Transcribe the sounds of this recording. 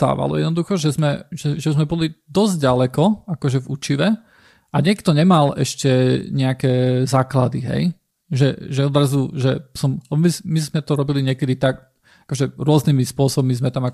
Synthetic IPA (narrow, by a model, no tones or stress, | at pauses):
t̪a̰ːʋa̰lɔ̰ɛ̰d̪nɔd̪uxɔʒɛzmɛʒɛʒɛzmɛbɔlid̪ɔzɟɟalɛkɔakɔʒɛvṵt͡ʃiʋɛ | aɲɪɛkt̪ɔɲɛmalɛ̰ʃcɛɲɛakɛzaːklad̪iɦɛ̰j | ʒɛ̰ʒɛɔd̪ɾazuʒɛsɔmlɛbɔmimizmɛt̪ɔɾɔbiliɲɪɛkɛd̪it̪ak | akɔʒɛɾʊɔznimispʊɔsɔbmizmɛt̪ama